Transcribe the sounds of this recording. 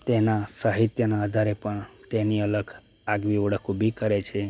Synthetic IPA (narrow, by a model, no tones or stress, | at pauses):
t̪enasəɦit̪jənaəd̪ʱaɾepəɳt̪eniələɡ | aɡʋiʋəɽəkõbʱikəɾet͡ʃʰe